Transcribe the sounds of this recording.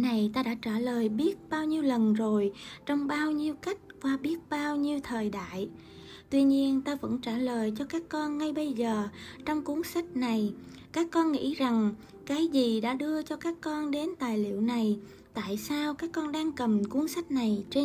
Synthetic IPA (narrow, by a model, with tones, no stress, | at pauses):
na˨˩jt̪aː˧ɗa̰ː˧˥t͡ɕaː˧˩ləː˨˩jɓi˦˥ət̚ɓaː˧wɲi˧əwlə˨˩nzo˨˩jt͡ɕɔ˧wŋ͡mɓaː˧wɲi˧əwka˦˥jk̟̚vaː˨˩ɓi˦˥ət̚ɓaː˧wɲi˧əwt̪ʰəː˨˩jɗa̰ː˧˨j | t̪wi˧ɲi˧ənt̪aː˧və̰˧˥nt͡ɕaː˧˩ləː˨˩jt͡ɕɔ˧kaː˦˥kːɔ˧nŋa˧jɓə˧jzəː˨˩t͡ɕɔ˧wŋ͡mku˨˦ənsa˦˥k̚na˨˩jkaː˦˥kːɔ˧nŋḭ˧˥za˨˩ŋ | kaː˨˦jzi˨˩ɗa̰ː˧˥ɗɨ˧ət͡ɕɔ˧kaː˦˥kːɔ˧nɗe˨˦nt̪aː˨˩jlḭ˧˨əwna˨˩j | t̪a̰ː˧˨jsaː˧wkaː˦˥kːɔ˧nɗaː˧ŋkə˨˩mku˨˦ənsa˦˥jk̚na˨˩jt͡ɕe˧